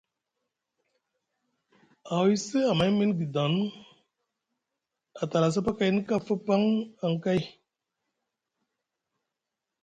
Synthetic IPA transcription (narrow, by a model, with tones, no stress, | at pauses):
a˨wi˦se˦a˨ma˨˦jmi˦nɡi˨d̪a˨˦n | a˨t̪a˨la˨s̬a˦pa˦ka˨jni˦ka˦fə˦pa˦ŋa˨ŋ˨ka˦j